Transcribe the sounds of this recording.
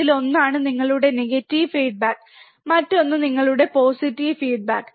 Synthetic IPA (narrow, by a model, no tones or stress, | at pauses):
ilo̞nːaːɳɨniŋːɐɭuɽe̞neɡɐtːiʋfiːɖ̚baːkː | mɐtːo̞nːɨniŋːɐɭuɽe̞po̞ːsitːiʋfiːɖ̚baːkː